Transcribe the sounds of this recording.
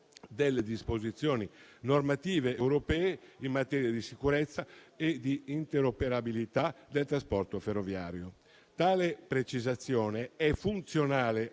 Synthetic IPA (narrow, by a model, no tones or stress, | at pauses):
d̪elːed̪ispozit̪sːjɔːninormat̪iːveewɾopɛːeimːat̪ɛːɾijad̪isikuɾɛt̪sːaed̪iːnt̪eɾopeɾabilit̪ad̪elt̪ɾaspɔrt̪oferːovja̰ːɾjo | t̪aːlepɾet͡ʃizat̪sːjɔːneɛfunt̪sjonaːle